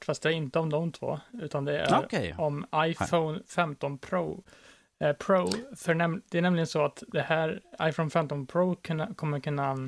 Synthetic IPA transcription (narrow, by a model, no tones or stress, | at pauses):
fast̪̚d̪ɛæɾɪnt̪əɔmd̪ɔmt̪ʰvo̰ːʉ̟ːt̪and̪ɛæ̰ɾkʰɔmajfoʊnfɛmt̪ɔnpʰɾoː | pʰɾoːfœɳɛd̪ɛæɳɛmlɪɡənsɔat̪d̪ɛhæːɾa̰jfoʊnfɛmt̪ɔnpʰɾoːkʰkʰɔmːəɾkʰɵnːa